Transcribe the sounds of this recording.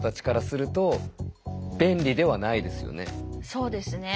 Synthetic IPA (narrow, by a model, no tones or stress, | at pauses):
t̪at͡ɕi̥kaɾasɨɾɯ̟t̪o̞ | bẽ̞nɾʲid̪e̞β̞anaid̪e̞sɨjo̞̰ne̞̰so̞ːd̪e̞sɨne